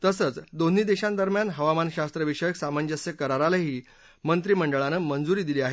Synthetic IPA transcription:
t̪əsət͡sd̪on̤iːd̪eɕãnd̪əɾmjanɦəʋamanɕast̪ɾəʋiʂəjəksamanjəsjəkəɾaɾalaɦiː | mənt̪ɾiːməɳɖəɭanəmənd͡zuɾiːd̪iliːaɦe

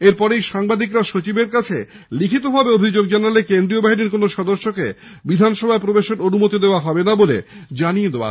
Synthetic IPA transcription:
eɾpɔɾejʃaŋbad̪ikɾaʃot͡ɕibeɾkat͡ɕʰe | likʰit̪obʱabeobʱid͡ʑoɡ̚d͡ʑanalekend̪ɾiobaɦiniɾkonoʃɔd̪oʃːoke | bid̪ʱanʃɔbʱaepɾobeʃeɾonumot̪id̪eoaɦɔbenabolḛd͡ʑanijed̪eoa̰

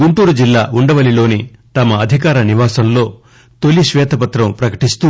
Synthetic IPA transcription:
ɡuɳʈuːɾud͡ʒilːaːʔuɳɖɐʋɐlilo̞ːnit̪ɐmɐːd̪ʱikaːɾɐniʋaːsɐmlo̞ː | t̪olːiʃʋɛːt̪ɐpɐt̪ɾɐmpɾɐkɐ̥ʈist̪u

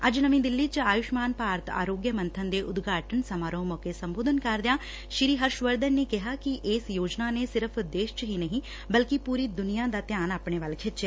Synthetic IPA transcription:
ɐd͡ʒnəmĩːd̪ɪlːiːt͡ʃaːjʊʃmaːnpaːɾət̪a̰ːɾoːɡjəmə̃nt̪ʰənd̪eːʔʊd̪ɡʱaːʈʰənsəmaːɾõːmɔːkesəmboːd̪ʱənkɐɾd̪jãː | ʃɾiːɦəɾʃʋəɾd̪ənːekɪɦaːkiʔeːsjoːd͡ʒnaːnesɪɾəpʰd̪eːʃt͡ʃɦiːnəɦĩː | bəlkipuːɾiːd̪ʊnijãːd̪aːt̪jaːnaːpɳ̃eːʋaːlkʰɪtt͡ʃe

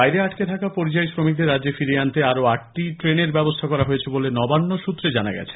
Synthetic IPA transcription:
ajɾeaʈket̪ʰakapoɾit͡ɕajʃɾomik̚d̪eɾadːd͡ʑefiɾeant̪eaɾoakʈiʈɾeneɾbɛbost̪ʰakɔɾaɦojet͡ɕʰebolenɔbanːoʃut̪ːɾed͡ʑana̰ɡɛ̰t͡ɕʰe̥

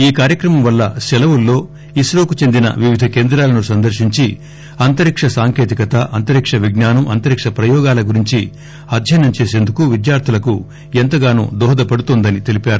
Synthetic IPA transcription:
iːkaːɾjɐkɾɐmɐmʋɐlːɐʃɛlɐwulːo̞ː | isɾoːkut͡ʃe̞nd̪inɐ̰ʋiʋid̪ʱɐke̞ːnd̪ɾaːlɐnusɐnd̪ɐɾʃiɲt͡ʃi | ɐnt̪ɐɾikʂɐsaːŋkeːt̪ikɐt̪ɐʔɐnt̪ɐɾikʂɐʋiɡnaːnɐmɐnt̪ɐɾikʂɐpɾɐjɔːɡaːlɐɡuɾiɲt͡ʃi | ɐd̪ʱjɐjnɐmt͡ʃe̞ːse̞ːnd̪ukuʋid̪jaːɾt̪ʰilɐku | ent̪ɐɡaːnṵːd̪ɔːɦɐd̪ɐpɐɽut̪oːnd̪ɐnit̪e̞lipaːɾu

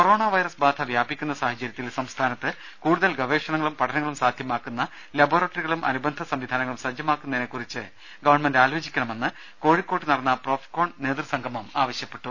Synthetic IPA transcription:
koro̞ːɳaʋɐjɾɐsbaːd̪ʱʰɐʋjaːbikʲːunːɐsaːɦɐt͡ɕːɐɾjɐt̪ːilsɐmst̪ʰaːnɐt̪ːɨ | kuːɽuðɐlɡɐʋe̞ːʂɐɳɐŋːɐɭumpɐʈʰɐnɐŋːɐɭumsaːd̪ʱjɐmaːkːunːɐ | lɐboːrɐʈːɐriɣɐɭumʔɐ̰nubɐnd̪ʱɐsɐmʋid̪ʱaːnɐŋːɐɭumsɐd͡ʑjɐmaːkːunːɐðenekːurit͡ɕːɨ | ɡɐʋɐrɳmendaːloːd͡ʑikʲːɐɳɐme̞nːɨ | ko̞ːɻikʲːoːʈːɨnɐrɐnːɐpro̞ːfko̞ːɳɖne̞ːd̪rsɐŋɡʱɐmumaːʋɐɕjɐpːe̞ʈːu

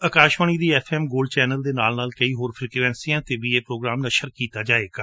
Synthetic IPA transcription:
əkaːʃʋaːñiːd̪iːɛːpʰɛːmɡoːlɖt͡ʃɛːnəld̪eːnaːlnaːlkəiːɦoːɾpʰɪlkɾʋɛ̃ːnsijãːt̪eːʋiːeːpɾoːɡɾaːmnəʃəɾkiːt̪aːd͡ʒaːeːɡaː

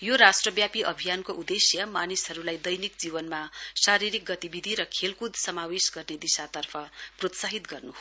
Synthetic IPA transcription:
joɾasʈrʌbjapiʔʌbʱijankoʔud̪esjʌmanisɦʌɾulajd̪ʌjnik̚d͡zibʌnmasaɾiɾik̚ɡʌt̪ibid̪ʱiɾʌkʰelkud̪ʱsʌmawesɡʌrned̪isat̪ʌrpʰʌprot̪saɦit̪ɡʌrnuɦo

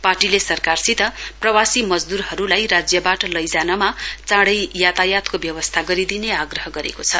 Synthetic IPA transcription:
paʈilesʌrkarsit̪ʌprʌwasimʌd͡zd̪uɾhʌɾulajrad͡zjʌbaʈʌlʌjd͡zanamat͡sãɽʌjjat̪ajat̪kobjʌwʌst̪ʰaɡʌɾid̪ineaɡrʌɦʌɡʌɾḛkot͡sʰʌ

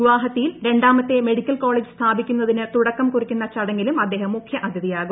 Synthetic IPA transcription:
iʋaːɦɐt̪ːijilɾe̞ɳɖaːmɐt̪ːe̞me̞ɽikʲːɐlko̞ːɭeːd͡ʑɨst̪ʰaːbikʲːunːɐðinɨt̪uɽɐkːɐmkurikʲːunːɐt͡ɕɐɽɐŋːilumɐd̪ːe̞ːɦɐmːukʰjɐʔɐd̪ʱjɐðijaːɣum

